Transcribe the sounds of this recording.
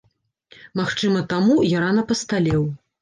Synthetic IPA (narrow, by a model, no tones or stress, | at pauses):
maxt͡ʂɨmɐt̪amujananɐpɐst̪alʲɛw